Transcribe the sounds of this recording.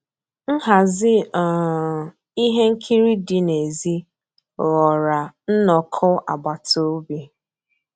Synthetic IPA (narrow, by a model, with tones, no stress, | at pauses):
n̩˦ɦa˨zɪ˦ɔ˨ | i˦ɦe˦ŋ̩˦kʰi˦ɾi˦dɪ˦ne˨zi˦ | ɣɔ˨ɾa˨n̩˦nɔ˨kʰɔ˦a˨ba˨to˦bi˦